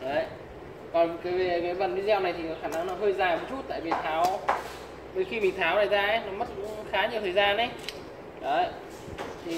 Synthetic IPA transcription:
ɗə˨˦ | kɔ˨˩n˨kaː˨˦ve˨˩kaː˨˦jvə˨˩t̚ɗi˧zɛ˧wna˨˩jt̪ʰi˨kɔ˨˦xaː˧˩na˧ŋnɔ˨˦ɦəː˧jzaː˨˩jmʊ˨˦t͡ɕu˦˥t̚t̪a̰ː˧˨jvi˨˩t̪ʰaː˨˦w | ɓe˧˩xi˧mï˨˩ŋ̟t̪ʰaː˨˦wnaː˨˩jzaː˧ʔe˨˦nɔ˨˦mə˦˥t̚kʊ̰˧˥˧ŋ͡mxaː˨˦ɲi˨˩əwt̪ʰəː˨˩jzaː˧nʔe˨˦j | ɗə˨˦˨ | t̪ʰi˨˩

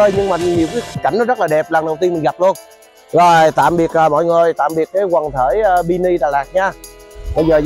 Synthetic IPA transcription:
əː˧jɲɨ˧ŋmaː˨˩ɲi˨˩əwkiː˨˦˨ka̰˧˩jŋ̟nɔ˨˦zə˦˥t̚laː˨˩ɗɛ˨˩p̚laː˨˩ɗə˨˩wt̪i˧nmï˨˩ŋ̟ɣa˨˩p̚lu˧ən | zo˨˩jt̪a̰ː˧˨mɓi˨˩ək̚ʔəː˨˩mɔ̰˧˨jŋɨ˨˩jt̪a̰ː˧˨mɓi˨˩ət̚ːaː˨˦jkwaː˨˩ŋt̪ʰe˧˩jʔːɓi˧ni˧ɗaː˨˩laː˨˩k̚ɲaː˧ɓə˧jzəː˨˩

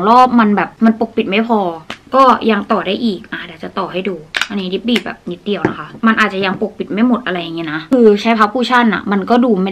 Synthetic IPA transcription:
ŋlɔː˥˩p̚ma˧nbɛː˨˩p̚ma˧npo˨˩k̚pi˨˩t̪̚ma˥˩jpʰɔː˧kɔː˥˩ja˧ŋt̪ɔː˨˩daː˥˩jʔiː˨˩k̚ʔa˧˩aː˧˩˨t͡ɕa˨˩t̪ɔː˨˩ha˥˩jduː˧ʔa˧niː˦˥di˦˥p̚biː˨˩bɛ̰ː˨˩p̚ni˦˥t̪̚di˧əwna˦˥kʰa˦˥ma˧nʔaː˨˩t̪̚t͡ɕa˨˩ja˧ŋpo˨˩k̚pi˨˩ma˥˩jmo˨˩t̪̚ʔa˧ɾa˧jːa˨˩ŋi˦˥˧na˦˥kʰɯː˧t͡ɕʰa˦˥pʰaː˦˥pʰːuː˥˩t͡ɕʰa˥˩nʔa̰˨˩ma˧nkɔː˥˩duː˧ma˥˩

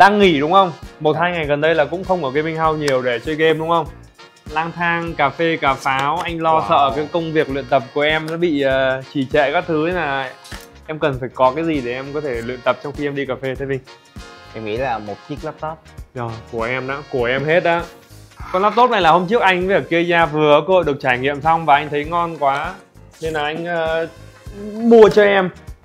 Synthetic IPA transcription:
ɗaː˧ŋːi˧˩ɗʊ˨˦ŋ͡mxə˧wŋ͡mmo˨˩t̚haː˧jŋa˨˩jɣə˨˩nɗə˧jlaː˨˩kʊ̰˧˥ŋ͡mxə˧wŋ͡mʔəː˧˩kaː˨˦jmï˧ŋ̟ɦa˧wɲi˨˩əwɗe˧˩t͡ɕəː˧jke˧mɗʊ˨˦ŋ͡mxə˧wŋ͡m | laː˧ŋt̪ʰaː˧ŋkaː˨˩fe˧kaː˨˩faː˨˦wʔa˧jŋ̟lɔ˧sə̰ː˧˨kaː˨˦jkə˧wŋ͡mvi˨˩ək̚lḭ˧˨ənt̪ə˨˩p̚ku˧˩əʔɛ˧mnɔ˨˦ɓḭ˧˨əː˨˩t͡ɕi˧˩t͡ɕɛ̰˧˨kaː˦˥t̪ʰɨ˨˦laː˨˩ | ʔɛ˧mkə˨˩nfaː˧˩jkɔ˨˦kaː˨˦jzi˨˩ɗe˧˩ʔɛ˧mkɔ˨˦t̪ʰe˧˩lwḭ˧˨ənt̪ə˨˩p̚t͡ɕɔ˧wŋ͡mxi˧ʔɛ˧mɗi˧kaː˨˩fe˧t̪ʰə˨˦vï˧ŋ | ʔɛ˧mŋḭ˧˥laː˨˩mo˨˩t̚t͡ɕi˦˥ək̚laː˦˥p̚t̪o˦˥t̚əː˨˩ku˧˩əʔɛ˧mɗa̰ː˨˥ku˧˩əʔɛ˧mhe˦˥t̚ʔaː˨˦kɔ˧nlaː˦˥p̚t̪o˦˥t̚na˨˩jlaː˨˩ho˧mt͡ɕɨ˦˥ək̚ʔa˧jŋ̟və˩kːi˧əzaː˧vɨ˨˩ə˧˦kːho̰˧˨jɗək̚t͡ɕaː˧˩jŋḭ˧˨əmsɔ˧wŋ͡mvaː˨˩ʔa˧jŋ̟t̪ʰə˨˦jŋɔ˧nkwaː˨˦ | ne˧nlaː˨˩ʔa˧jŋ̟ʔəː˨˩ | ɓu˧ət͡ɕɔ˧ʔɛ˧m

